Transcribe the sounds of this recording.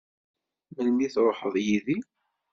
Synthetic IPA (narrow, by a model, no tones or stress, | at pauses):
məlmiθɾˤoħəðˤjiði